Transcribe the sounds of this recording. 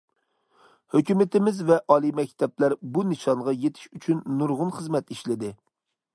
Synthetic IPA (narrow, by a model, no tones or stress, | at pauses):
høkʲymɪt̪ʰɪmɪzvɛʔɑːlˠimɛkʲt̪ʰɛplæɾbunɨʃɑŋʁɑjet̪ʰɪ̥ʃyt͡ʃʰynːuɾʁʊnχəzmɛt̪iʃlɪd̪ɪ